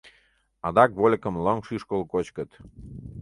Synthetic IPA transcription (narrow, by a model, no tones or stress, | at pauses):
ɑd̪ɑkβolʲkə̆mləŋʃyʃkolˠkot͡ɕkə̆t̪